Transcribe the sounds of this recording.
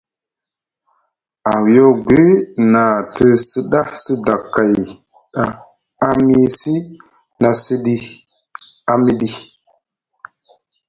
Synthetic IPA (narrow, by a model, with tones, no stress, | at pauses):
a˨wjo˦ɡʷe˦na˨tə˦sə˦ɗa˦hsə˦da˨kːa˨j | ɗa˨ | a˦mi˦si˦ | na˨sə˦ɗi˦ | a˨mi˦ɗi˦